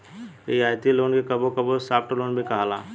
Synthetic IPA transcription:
eiaːt̪iloːnkekɐbokɐbosaːp̚ʈloːnbʱikɐɦalaː

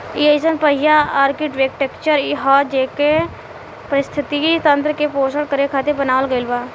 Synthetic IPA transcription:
iesənpəɦɪjaaːɾkɪʈʋeːkʈekt͡ʃəɾiɦad͡ʒeːke | pəɾɪst̪ʰɪt̪it̪ə̃nt̪̬ɾəkepoːsəɽkəɾekʰaːt̪ebənaːʋəlɡəɪlbaː

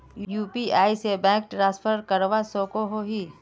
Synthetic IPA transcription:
juːpiaːisebɛ̃ːk̚ʈɾãːspʰəɾkəɾʋasõːkoɦoɦiː

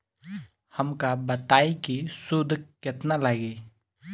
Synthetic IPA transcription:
həmkabət̪aːikisʊd̪ʱkɪt̪nalaɡeː

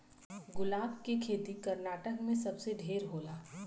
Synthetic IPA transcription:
ɡʊlaːbkekʰeːt̪ikɐɾnaːʈəkmẽsɐbseɖʱeːɾɦoːlaː

